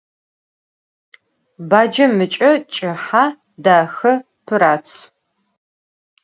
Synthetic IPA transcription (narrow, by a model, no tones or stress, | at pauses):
baːd͡ʒɐmɨt͡ʃʼɐt͡ʃʼɪħaː | daːxɐ | pʰɨɾaːt͡sʰ